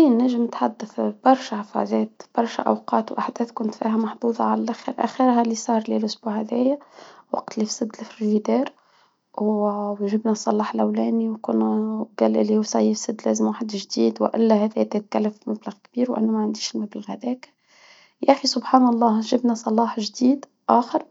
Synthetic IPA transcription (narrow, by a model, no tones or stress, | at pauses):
iːnːæʒɪmnɪt̪ħad̪ːɪθb̥ɑɾˤʃaʕɑfɑ̰zɛːt̪b̥ɑɾˤʃæ̰ʔɑ̰wqɑːt̪wʔaħd̪ɛːθkʊnt̪fiːɦæmɑħd̪ˤuːðˤɑʕalælʔæxəɾʔæ̰xəɾɦælːisˤɑːɾˤlelʔʊsbuhæðæːjæwɑ̰q̚t̪lifsɪd̪ːlɪfɾɾid̪ɑːɾ | ʒɪbnæsˤːɑlɑːħlʔæwlæːniwkʊnwɡælːʔɪlːihuːsˤɑjɪfsɪd̪ːlæ̰ːzɪmwaːħd̪ʒd̪iːd̪wʔɪ̰lːæhæːðæd̪æjt̪̚kælːæfmæblaɣkb̥iːɾwʔæ̰nːumæʕand̪iːʃlmæbɪlɣæd̪æːk | jaħisʊbħɑːnɑlˤːɑːʒɪbnæsˤɑlɑːħʒd̪iːd̪ | ʔaːxəɾ